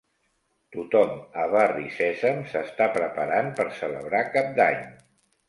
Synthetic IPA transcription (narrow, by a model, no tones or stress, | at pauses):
t̪ut̪ɔməβarisɛzəmsəst̪apɾəpəɾanpəɾsələ̰βɾakap̚d̪aɲ